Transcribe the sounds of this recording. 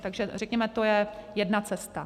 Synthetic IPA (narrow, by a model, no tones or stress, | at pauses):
t̪aɡʒɛr̝ɛkɲɛmɛt̪o̞jɛjɛdnat͡sɛst̪a